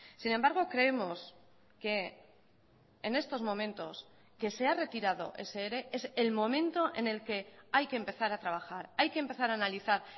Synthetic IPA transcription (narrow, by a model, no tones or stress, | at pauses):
sinẽ̞mbaɾɣ̞o̞kɾe̞e̞mo̞s | ke̞ | ne̞st̪o̞zmõ̞mẽ̞nt̪o̞s | ke̞se̞are̞t̪iɾaðo̞̰ʔe̞̰seeɾe̞ʔese̞lmõ̞mẽ̞nt̪o̞ʔe̞̰ne̞lke̞ajke̞ːmpe̞θaɾat̪ɾaβ̞axaɾajkempe̞θaɾaːnaliθaɾ